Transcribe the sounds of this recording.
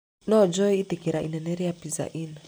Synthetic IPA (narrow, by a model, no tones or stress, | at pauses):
nɔd͡ʒɔiit̪ikiɾaʔḭnɛnɛɾɛjapiza̰ʔina